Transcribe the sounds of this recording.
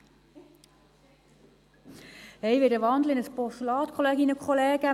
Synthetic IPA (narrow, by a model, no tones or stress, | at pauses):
hɛjʋɪɾəʋɑnd̪l̩ɪnəspɔstulɑːt̪kʰɔleːɡinəkʰχoleːɡ̥ə